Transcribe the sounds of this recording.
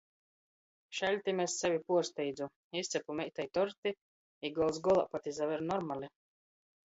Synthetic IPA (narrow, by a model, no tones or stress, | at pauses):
ʃɛlʲt̪ʲimɛsːɛvʲipuɔst̪ɛjd̪zu | ist̪sʲɛpumɛjt̪ajt̪ɔɾt̪i | iɡɔwzsɡɔlˠa̰pat̪ʲizavɛɾnɔɾmalʲi